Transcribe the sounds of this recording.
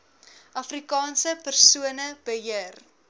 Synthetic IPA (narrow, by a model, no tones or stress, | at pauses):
ʔɐfrikɑːnsəpərsuənəb̥əɦiər